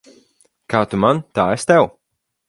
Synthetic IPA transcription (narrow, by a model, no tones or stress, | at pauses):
kaːt̪umant̪aːɛst̪ɛw